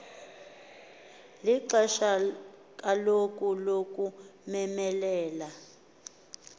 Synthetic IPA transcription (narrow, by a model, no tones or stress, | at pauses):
liǀɛʃa | k̬ʼalok̬ʼulok̬ʼumɛmɛlɛːla